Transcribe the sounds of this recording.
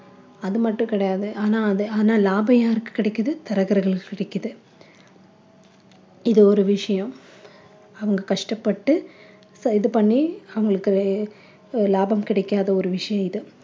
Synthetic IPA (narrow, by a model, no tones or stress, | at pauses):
ɐðɯmɐʈːʊ̃kɪɽɐjaːðɯʔaːnaːɐðɯaːnaːlaːbɐjaːɪɾɯkːɯ̥kːɪɽɛkːɐðɯt̪ɐɾɐɣɐɾɣɐɭkːɪɽɛkːɐðɯ | ɪðɯɔɾɯʋɪʂɐjɐ̃ | ɐʋɐŋɡɐkɐʂʈɐpːɐʈːɯ | sɐɪðɯpɐɳːiɐʋɐŋɡɐɭɯkːɯ | laːbɐmkɪɽɛkːaːðɐɔɾɯʋɪʂɐjɐ̃ɪðɯ